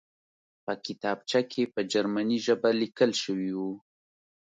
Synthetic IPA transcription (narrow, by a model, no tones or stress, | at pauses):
pəkɪt̪ɑb̚t͡ʃakʰepəd͡ʒaɾmaniʒəbalikəlʃəwiwu